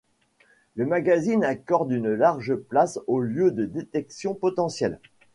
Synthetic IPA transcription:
ləmaɡazinakɔʁd̪ynlaʁʒəplasoljød̪əd̪et̪ɛksjɔ̃pɔt̪ɑ̃sjɛl

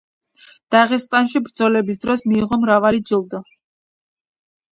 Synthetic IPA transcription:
d̪̥aʁɛst̪ʼanʃibɾd̪zɔlɛbisd̪ɾɔsmiːʁɔmɾavalid͡ʒilˠd̪ɔ

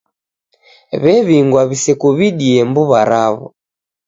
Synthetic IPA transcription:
βɛβiŋɡwaβisɛkuβiɗiɛmbuβaɾaβɔ̰

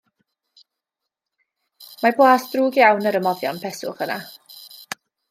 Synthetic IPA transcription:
mablˠaːsd̥ruːɡjawnəɾəmɔvjɔnpʰɛsʊ̰χəna̰

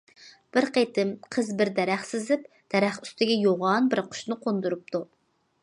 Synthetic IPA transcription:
b̥ɪɾqet̪ɪmqʰəzbɪɾd̪ɛɾæχsɪzɪp | d̪̥ɛɾæχy̥st̪ʰɪɡʲɛjoʁɑnbɪɾqʰʊ̥ʃnɨqʰond̪uɾup̚t̪ʰu

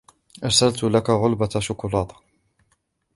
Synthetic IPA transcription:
ʔɑɾsalt̪lakaɣʊlbaʃʊkʊlɑːt̪ˤ

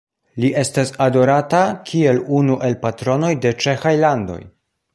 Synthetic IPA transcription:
liʔe̞stasado̞ɾatakʰie̞lunuʔe̞lpatɾo̞no̞jde̞t͡ʃe̞xajlando̞̰j

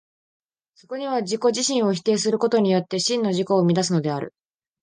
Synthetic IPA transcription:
so̞ko̞ɲ̟iβad͡ʑiko̞ʑiɕĩɰ̃o̞çi̥t̪e̞ːsɨɾɯ̟ko̞t̪o̞ɲ̟ijo̞t̪ːe̞ɕĩnːo̞ʑiko̞ːmʲid̪as̬ɨno̞d̪e̞aɾɯ̟̰

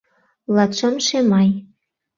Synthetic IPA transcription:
lɑt̪ʃəmʃemɑj

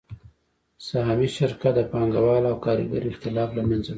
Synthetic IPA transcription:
saɦamiʃɪɾkat̪̚d̪əpɑŋɡawɑlawkɑɾɪ̰ɡa̰ɾiɪxt̪ɪlɑflamanza

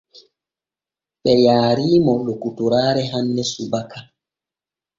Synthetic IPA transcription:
ɓɛjaːɾiːmɔlokutuɾaːɾɛɦandɛsubaka

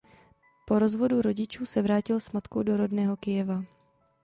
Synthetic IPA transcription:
po̞ɾo̞zvo̞duɾo̞ɟɪt͡ʃuːsɛvɾaːcɪlsmat̪kowdo̞ɾo̞dnɛːɦo̞kɪjɛva

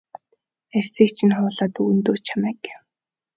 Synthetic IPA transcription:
ær̥ʲsiːk̚t͡ɕʰĭnχʊːɮaːt̪uːnt̪oːt͡ɕʰamæːɡew

